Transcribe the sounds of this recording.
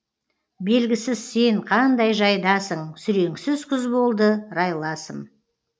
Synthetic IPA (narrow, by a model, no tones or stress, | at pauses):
be̞lɡʲɪsɪzse̞ɴqʰɑnd̪ɑjʒɑjd̪ɑsəɴsʏɾe̞ŋsɪzkʲʰʏzbo̞lˠd̪əɾɑjlˠɑsəm